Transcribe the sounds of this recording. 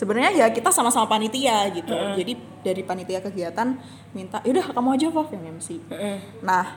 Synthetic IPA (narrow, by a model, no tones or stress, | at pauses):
səbənərɲajakit̪asamasamapanit̪iaɡit̪ud͡ʒadi | daɾipanit̪iakəɡiat̪an | mint̪aʔudahakamoad͡ʒɔbafjaŋaməsi | nah